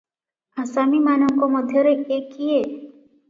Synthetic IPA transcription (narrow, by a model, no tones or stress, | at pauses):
əsaːmimaːnõŋkoməd̪ʱjəɾekeːkːijeː